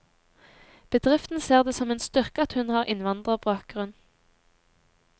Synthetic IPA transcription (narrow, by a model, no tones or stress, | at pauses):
b̥əd̪ʁɪft̪n̩seːʁd̪eːsɔmeːnst̪ʏʁkəɑt̪hʉnhɑːʁʔɪnʋɑnd̪ʁəbɑːk̚ɡ̥ʁʉn